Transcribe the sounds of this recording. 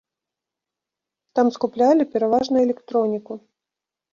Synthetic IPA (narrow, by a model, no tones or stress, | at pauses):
t̪amskuplʲalʲipʲɛɾavaʐnɐɛlʲɛkt̪ɾɔnʲiku